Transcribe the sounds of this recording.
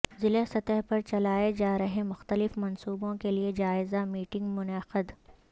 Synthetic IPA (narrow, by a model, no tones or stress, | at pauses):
zɪlesɐt̪əɦpɐɾt͡ʃɐlaːed͡ʒaːɾɐɦẽmʊxt̪əlɪfmɐnsuːbõkelied͡ʒaːɪzamiːʈɪ̃ŋɡmʊnəxəd̪